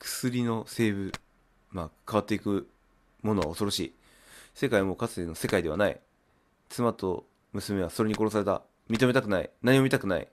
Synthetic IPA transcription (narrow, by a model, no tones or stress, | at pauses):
kɯ̥sɨɾʲino̞se̞ːβɯ̟ | makʰaβ̞at̪ːeikɯ̟ | mo̞no̞βa̰oso̞ɾo̞ɕḭː | se̞kaimo̞ːkat͡sɨ̥eno̞se̞kaid̪e̞a̰naḭ | t͡sɨmat̪o̞ | mɯ̟sɨme̞βaso̞ɾe̞ɲ̟iko̞ɾo̞saɾe̞t̪a̰ | mʲit̪o̞met̪akɯ̟naḭnaɲ̟imo̞mʲit̪akɯ̟naḭ